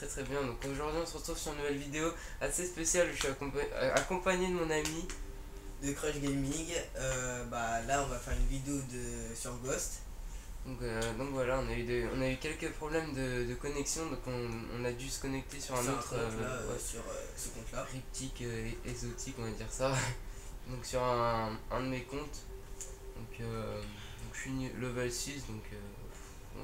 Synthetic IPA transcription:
t̪χɛt̪χɛbjɛ̃d̪ɔ̃koʒuʁd̪ɥiɔ̃səʁət̪χuvsyʁynuvɛlvid̪eo | asespesjalʃyaka̰kɔ̃paɲed̪əmɔ̃nami | d̪əkχɔʃɡʲɛmĩɡøbalaɔ̃vafɛʁynvid̪eod̪əsyʁɡɔst̪ | d̪ɔ̃kød̪ɔ̃kvwalaɔ̃nayd̪əɔ̰̃naykʲɛlkəpχɔblɛmd̪əd̪əkɔnɛksjɔ̃d̪ɔ̃kɔ̰̃ːnad̪ysə̥kɔnɛk̚t̪esyʁɛ̃not̪χø | yʁ | səkɔ̃t̪lakχip̚t̪ʰikʲøeɡzot̪ʰikɔ̃vad̪iʁsa | d̪ɔ̃ksyʁɛ̃ɛ̃d̪əmekɔ̃t̪ | ɔ̃kø | d̪ɔ̃kʃɥinlɔvɛlsisd̪ɔ̃kʰø | ɔ̰̃

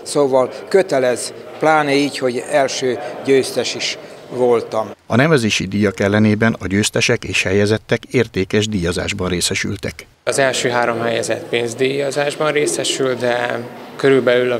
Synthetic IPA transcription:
soːvɒlkøt̪ɛlɛz | plaːneiːcho̞ɟɛlʃøːɟøːst̪ɛʃiʃʋo̞lt̪ɒmɒnɛvɛzeːʃid̪iːjɒkɛlːɛneːbɛnɒɟøːst̪ɛʃɛkeːʃhɛjɛzɛt̪ːɛkeːrt̪eːkɛʒd̪iːjɒza̰ːʒbɒnreːsɛʃy̰lt̪ɛk | ɒzɛlʃøːɦaːɾo̞mhɛjɛzɛt̪peːnzd̪ijɒzaːʒbɒnreːsɛʃylt̪d̪ɛkøɾylbɛlylɒ

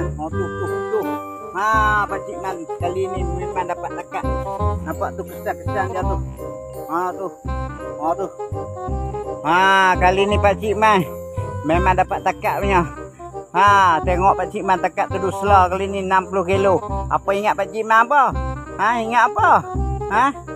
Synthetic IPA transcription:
ɔt̪ut̪uuduŋ | apat͡ʃiʔmankalinimemandapaʔt̪akaʔnapaʔt̪ukət͡ʃakːət͡ʃaʔndiat̪u | at̪u | ɔt̪u | akalinipaʔt͡ʃiʔma | memandapaʔt̪akaʔmiɲɔ | at̪eŋɔʔpat͡ʃiʔmant̪akaʔt̪udusəlɔkalininampulohkiloa̰pəiŋaʔpaʔt͡ʃiʔmanpəaiŋaʔpəa

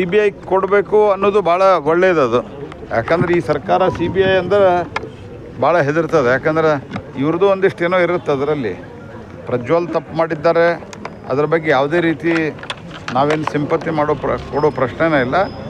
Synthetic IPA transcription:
siːbijɐjkkoɽbe̞ːkuɐnːoːd̪ubʱaːɭɐɡoɭːed̪eɐd̪u | ja̰ːkend̪ɐɾeiːsɐɾkaːɾɐsiːbiɐjɐnd̪ɐɾe | bʱaːɭɐɦed̪iɾt̪ɐd̪ejaːkend̪ɐɾe̞iʋɐɾɐd̪uond̪iʂʈeːnoːiɾiɾut̪ːeɐd̪ɐɾɐlːḭ | pɾɐd͡ʒʋaːlt̪ɐpːmaːɽid̪ːaːɾe̞ | ɐ̰d̪ɐɾɐbɐɡːejaːʋd̪e̞ːɾiːt̪i | naːʋe̞ːnsimpɐt̪ːimaːɽoːpkoɽoːpɾɐʂɳeneilːɐ

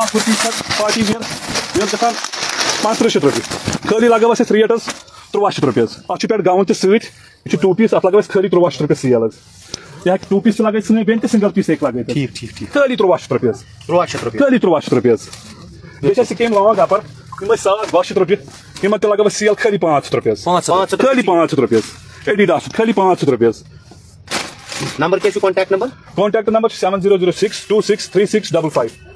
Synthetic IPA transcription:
apʰuɾt̪iːkʰɐd̪paːʈiːʋiɐɾiɐlkɐt̪ʰaːnpãːnt͡st̪ɾɨʃʰit̪ɾɐpʲikʰəːlilaːɡɐʋɐsɐsʲɾijɐʈɐzt̪uɾuʋaːt͡ʃʰit̪ɾupʲiɐzɐt͡ʃʰupʲaʈɡaːʋunt̪isɨːt̪ʰʲ | it͡ʃʰiʈuːpiːsɐt̪laːɡɐʋɐsʲkʰəːlit̪ɾuʋaːʃʰi̥t̪ɾupʲisijɐlɐz | jiɦakʲi̥ʈuːpiːst͡ʃʰilaːɡət̪sɨnɨbʲeːnʲt̪isiŋɡɐlpiːseːklaːɡɐjt̪ʰːkʰəːlit̪uɾuʋaːʃi̥t̪ɾɐpʲiɐz | t̪ɾkʰəːlit̪uɾuʋaːʃit̪ɾupʲiɐz | d̪et͡ʃʰʲɐsikeːmlaːʋãɡaːpɐɾ | kimɐsatʋaːʃɐt̪ɾup̬ʲjɐ | kimɐnt̪ɐlaːɡɐʋɐsijɐlkʰəːlipãːt͡ʃʰɐ̥t̪ɾupijɐzããtkʰəːlipãːt͡ʃʰɐt̪ɾupijɐz | eɖiɖaːsut̪̚kʰəlipãːt͡ʃʰɐt̪ɾupiɐz | nɐmbəɾkʲet͡ʃʰukɔ̃ɳʈɛːk̚ʈnɐmbəɾ | kɔːɳʈɛːk̚ʈnɐmbəɾt͡ʃʰi̥seʋɐnziːɾoːziːɾoːsiksʈuːsikst̪ʰɾiːsiksɖɐbəlfʰaːjb

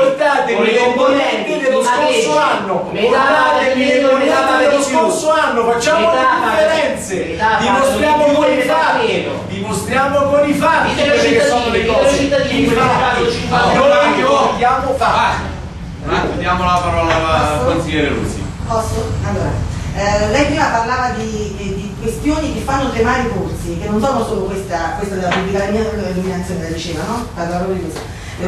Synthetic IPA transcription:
oɾt̪aːt̪eekomvoɛnt̪id̪eoskossoanːomeaeeoaad̪eoskoorsoanːofat͡ʃːaːmoleifeɾɛnt̪se | ad̪imost̪ɾjaːmokoifai | d̪imost̪ɾjaːmokolifaikːɔnolekɔt͡ʃit̪ːaiaat͡ʃifanojd̪jaːmofa | aed̪jaːmolapaɾɔlaakonsilːɛːɾeɾṵsḭpɔsoalːoːɾa̰ | lɛjpɾiːmaparlaːvad̪i | d̪ikwest̪joːnikefːanːot̪emaɾikort̪sikenːonsɔːnosoːlokwest̪akwest̪ad̪elapubːlikalmaoeluminat̪sːjoːnelad̪it͡ʃeːvanɔalaɾomod̪ikwest̪o

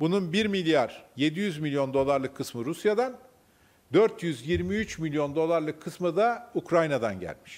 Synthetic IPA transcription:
bununbiɾmilʲjaɾje̞d̪ijyzmilʲijo̞nd̪o̞lˠaɾlˠɯkʰːɯsmɯɾusjad̪an | d̪øɾt̪jyzjiɾmiyt͡ʃmilʲjo̞nd̪o̞lˠaɾlˠɯkʰːɯsmɯd̪aukɾajnad̪anɟæ̰lʲmiʃ

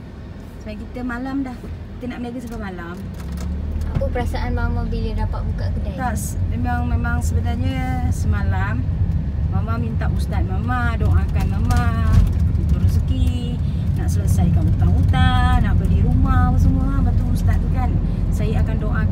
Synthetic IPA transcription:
səajkit̪əmalamdahkit̪ənaʔməlaɡəsəbamalam | apəpəɾasaʔanmamabələdapaʔ̚bukaʔkədaasmemaŋmemaŋsəbənarɲəsəmalamː | amamint̪aʔust̪at̪̚mamadɔŋakanmamaaət̪ut̪uɾusəki | naʔsələsajkanut̪aŋut̪anaʔbədiɾumahpans̬əmuabat̪uust̪at̪̚kan | sajəakandoʔa

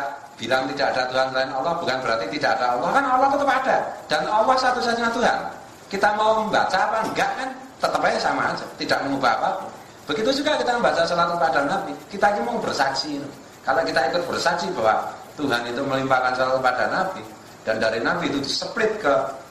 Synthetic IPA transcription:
b̥ilaŋt̪id̥aʔad̥at̪uɦanslaɪnɔlɔhb̥ukanb̥əɾart̪it̪id̥aʔad̥aɔlɔhkanɔlɔhk̪ut̪əpad̥ad̥anɔwɔhsat̪usat͡ʃiŋat̪uɦa̰n | kit̪amauməmba̰t͡ʃaːpaŋɡaʔkan | t̪ət̪əpɛsama̰̥ːd͡ʒət̪idaʔmɔŋub̥apaku | b̥əɡit̪ud͡ʒuɡakit̪aməmbat͡ʃasəlat̪upad̥anab̥ikit̪akimaŋbərsḁt͡ʃiːnu | kaloʔkit̪aikʊt̪̚b̥ərsḁt͡ʃibawa̰t̪uɦanit̪uməlimpakansəlat̪upad̥anab̥i | d̥andaɾinabiːt̪udisəplɪt̪̚kə

